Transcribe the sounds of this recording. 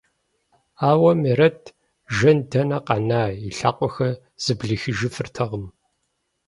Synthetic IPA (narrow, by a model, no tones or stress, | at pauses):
aːwɐmeɾɐtʰ | ʒɐndɐnɐqɑnaːiɬa̰ːqʷʼɔxɐ | z̥ɨbɮɨxɨʒɪfɨrtʰɐʁəm